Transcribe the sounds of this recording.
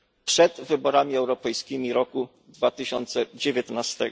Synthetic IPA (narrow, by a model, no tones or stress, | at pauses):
pʂɛd̪vɘbɔɾamʲiɛwɾɔpɛjskʲimʲiɾɔku | d̪vat̪ɘɕɔnt̪sɛd͡ʑevʲjɛt̪nast̪ɛ̰